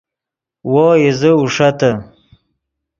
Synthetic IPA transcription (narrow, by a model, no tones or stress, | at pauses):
woːjezəuʂat̪ə